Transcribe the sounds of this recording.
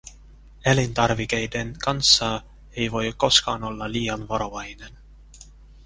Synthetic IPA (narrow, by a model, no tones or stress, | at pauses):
elint̪ɑrʋike̞jde̞nkɑnsːɑ | e̞jʋo̞jko̞skɑːno̞lːɑliːɑnʋɑɾo̞ʋɑjne̞n